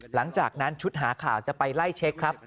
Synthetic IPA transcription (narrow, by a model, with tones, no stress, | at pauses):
la˩˦ŋt͡ɕaː˨˩k̚na˦˥nt͡ɕʰu˦˥t̪̚ɦaː˩˦kʰaː˨˩wt͡ɕa˨˩pa˧jla˥˩jt͡ɕʰe˦˥kʰːɾa˦˥p̚